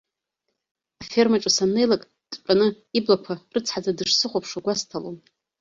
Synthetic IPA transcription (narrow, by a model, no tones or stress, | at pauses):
afe̞rmaʈ͡ʂʼasane̞jlakʼ | tʼt͡ʃʷʼanɨ | iblakʷʰarɨt͡sʰħad͡zadɨʂsɨχʷopʰʂaɡʷastʰalom